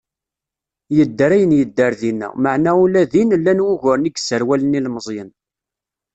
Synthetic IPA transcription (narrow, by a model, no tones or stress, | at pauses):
jəd̪ːəɾæjənjəd̪ːəɾðinːə̰məʕnæulæðinlːænwuʝʊɾniɡsəɾwælənilməzˤjən